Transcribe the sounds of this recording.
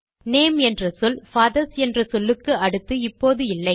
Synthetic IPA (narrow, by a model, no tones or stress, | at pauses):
neːmɛndrɐsɔlfɐːðɐsɛndrɐsɔlːɯkːɯʔɐɽɯt̪ːɯɪpːoːðɯɪlːɐɪ